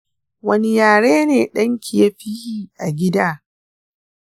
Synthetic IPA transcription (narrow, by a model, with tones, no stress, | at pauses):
wɐ˦nɪ˦jaː˨ɽeː˦neː˨ɗɐ˦ŋkʲi˨ja˦ɸi˦jiː˦ʔa˨ɡʲɪ˦daː˦